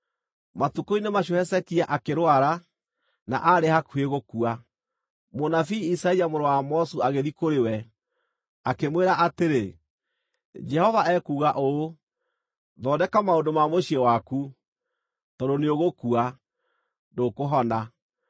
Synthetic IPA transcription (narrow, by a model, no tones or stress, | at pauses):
matukoinemaɕwehɛsɛkiaʔakeɾwaɾa | na̰ʔaɾehakueɣokua | monafiːsaɛiamoɾowamɔsuaɣeðikoɾewɛ | akemweɾaʔateɾe | d͡ʒɛhɔvaɛkuːɣaʔo | ðɔːdɛkamaondomamoɕiɛwaku | tɔdoneoɣokua | dokoɦɔna